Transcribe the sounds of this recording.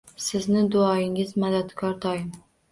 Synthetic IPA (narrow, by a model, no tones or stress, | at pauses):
sɪznɪd̪ʊɒjɪŋɪzmad̪at̪kʰɒɾt̪ʰɒjɪm